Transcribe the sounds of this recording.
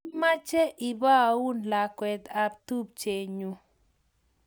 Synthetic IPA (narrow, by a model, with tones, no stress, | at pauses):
ma˦t͡ʃɛ˦ʔi˨ba˦˨u˦nla˨kwɛ˨t̪a˨b̚t̪u˦b̚t͡ʃe˨ɲu˨